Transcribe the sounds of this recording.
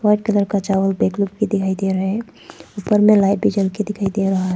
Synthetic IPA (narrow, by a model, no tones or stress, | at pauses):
swaɖ̚kələɾkət͡ʃawəlbeklub̚ked̪ikʰajd̪eɾəɦɛ | upːəɾmelaɪbʱid͡ʒəlked̪ikʰajd̪eɾəɦaɦ